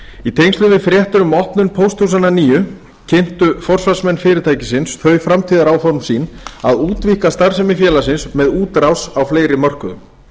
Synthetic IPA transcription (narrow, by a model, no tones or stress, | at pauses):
it̪ʰejŋkst̪ʏvɪfɾjɛht̪ʏɾʏmɔhpnʏnpʰowst̪ʰus̬ananiːjʏ | cʰɪn̥t̪ʏfɔr̥svasmɛnːfɪːɾɪt̪ʰaːjcɪsɪnsθœɥfɾamt̪ʰiːðaɾawfɔɾmsiːnaðuːt̪vikast̪aɾsɛmɪfjɛːlas̬ɪnsmɛðuːt̪ɾawsawfleːjɾɪmœr̥kʏðʏ̰m